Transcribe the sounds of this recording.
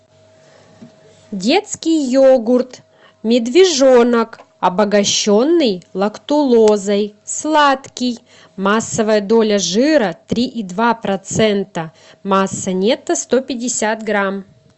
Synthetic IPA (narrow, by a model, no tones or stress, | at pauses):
dʲe̞t̪skʲɪjjoɡʊrt̪ | mʲɪd̪vʲɪʐo̞nək | ɐbəɡɐɕːonːɨjlˠɐkt̪ʊlˠozɐjslˠat̪kʲɪj | masːəvəjəd̪o̞lʲəʐɨɾət̪ɾʲiʔid̪vapɾɐt̪sɛnt̪ə | masːənʲet̪əst̪opʲɪdʲɪsʲat̪ɡɾam